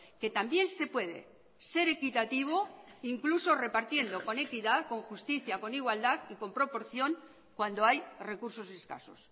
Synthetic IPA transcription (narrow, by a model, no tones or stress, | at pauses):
ke̞t̪ambje̞nse̞pwe̞ðe̞̰ | se̞ɾe̞kit̪at̪iβ̞o̞iŋkluso̞re̞paɾt̪je̞nd̪o̞ko̞ne̞kiðaðko̞ŋxust̪iθjako̞niɣwald̪aðiko̞mpɾo̞po̞ɾθjo̞ŋ | kwand̪o̞ajre̞kuɾso̞se̞ska̰so̞̰s